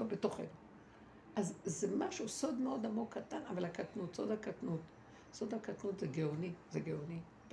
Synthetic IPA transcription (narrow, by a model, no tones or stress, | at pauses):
obeto̞χḛnu | ʔazzemaʃuso̞d̪meo̞d̪amoɡkːat̪ana̰valhakatnutsod̪hakatnut̪ | so̞d̪hakatnut̪zeɡeonizeɡeoni